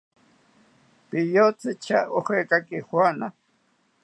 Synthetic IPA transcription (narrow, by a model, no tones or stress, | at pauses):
pɪjot͡sɪt͡ʃʰaohekakɪhwana